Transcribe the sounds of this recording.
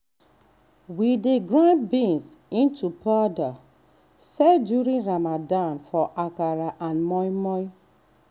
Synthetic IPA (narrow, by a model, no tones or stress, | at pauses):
wideɡɹãnbĩns | ĩntʰupada | sɛdjuɹĩnɹamadãnfɔʔakaɹaʔãnmɔjmɔj